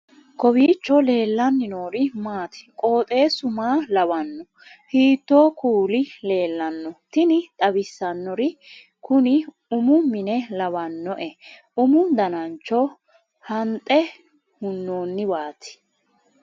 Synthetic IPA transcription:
kɔbiːt͡ʃːɔle̞ːlːɐnːɪnoːɾɪmaːt̪ɪ̥kʼo̞ːt̪ʼe̞ːsʊmaːlɐbɐnːɔ | hiːt̪ːo̞ːkuːlɪle̞ːlːɐnːɔt̪ɪnɪt̪ʼɐbɪsːɐnːɔɾɪ | kʊnɪ | ʊmʊmɪnɛlɐbɐnːɔʔɛ | ʊmʊd̪ɐnɐnt͡ʃːɔ | hɐnt̪ʼːɛ | hʊnːoːnːɪbaːt̪ɪ̥

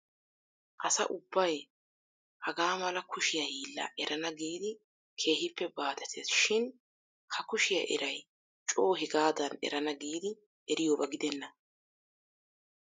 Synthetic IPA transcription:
ʔɐsɐ̰ʔʊbːɐj | hɐɡaːmɐlɐkʊʃɪjɐhiːlːɐ̰ʔɛɾʔɐnɐɡiːd̪ɪ | kʰe̞ːhɪpːɛbaːd̪ɛt̪ʰɛsʃɪn | hɐkʊʃɪjɐ̰ʔɛ̰ɾɐj | t͡ʃʼo̞ːɦɪɡaːd̪ɐnɛ̰ɾɐnɐɡiːd̪ɪ | ʔɛɾɪjoːbɐɡɪd̪ɛnːɐ

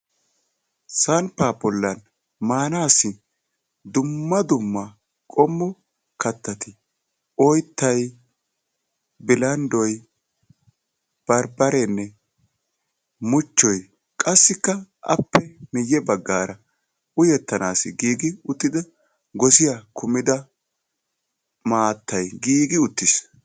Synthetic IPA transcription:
sɐnpaːbɔlːɐn | maːnaːsːɪ | d̪ʊmːɐd̪ʊmːɐ | kʼɔmːɔ | kɐt̪ːɐt̪ɪ | ɔjt̪ːɐj | bɪlɐnd̪ɔj | b̥ɐɾbɐɾɛnːɛ | mʊt͡ʃːɔj | kʼɐsːɪkːɐʔɐ̰pːɛmɪjːɛbɐɡːaːɾɐ | ʊjɛt̪ːɐnaːsɪɡiːɡɪʊt̪ːɪd̪ɐ | ɡɔsɪjakʰʊmɪd̪ɐ | maːt̪ːɐjɡiːɡɪʊt̪ːɪs

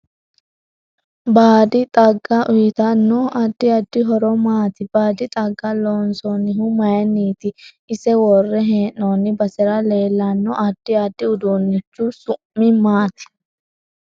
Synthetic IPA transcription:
baːd̪ɪt̪ʼɐɡːɐʔʊjɪt̪ɐnːɔɐd̪ːɪɐd̪ːɪɦɔɾɔmaːt̪ɪb̥aːd̪ɪt̪ʼɐɡːɐloːnsɔnːɪɦʊmɐjɐniːt̪ɪ | ɪsɛwɔrːɛɦeːnːoːnːɪbɐsɛɾɐleːlːɐnːɔʔɐd̪̥ːɪɐd̪ːɪʊd̪oːnːɪt͡ʃːusʊmːɪmaːt̪ɪ̥

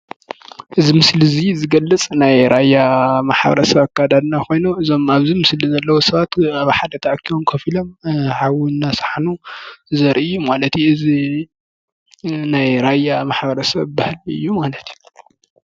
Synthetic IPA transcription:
ʔɨzimɨslizizɨɡɐlːɨt͡sʼnajɾʔajːamaħbɐ̰ɾɐsɐβakʰːad̪ad̪nakʰo̞jnuʔɨzo̞maβzimɨslizɐlːɐwosɐβat̪aβħad̪ɐt̪ʰɐʔkʰːiomkʰɐfilo̞mħawinːasḁħanuzɐɾʔɨjːumalɐt̪juɨzi | najɾajamaħbɐɾɐsɐβbahlɨ̰jːumalɐt̪ju

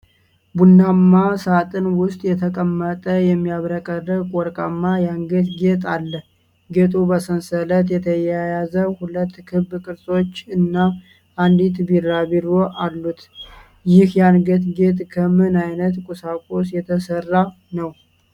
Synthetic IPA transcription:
bunːamːasat̪ʼɨnwʊst̪ʼjɛt̪ʰəkʼəmːət̪ʼəjɛmːijaβɾəkʼərəkʼɔɾkʼamːajanɡət̪ɡet̪ʼalːəh | ɡet̪ʼubəsənsələt̪jɛt̪ʰəjɛjjazəhulət̪ːkʰɨβːkʼɨɾso̞t͡ʃːɨnːa | and̪it̪birabiɾoʔalːut̪ | jɪhjanɡət̪ɡet̪ʼkʰəmɨnajnət̪kʼusakʼosjɛt̪ʰəsərːa | nəw

